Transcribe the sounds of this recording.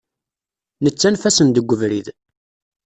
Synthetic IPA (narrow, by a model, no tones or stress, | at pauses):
nət͡sːænfæsənd̪əɡʷːəvɾið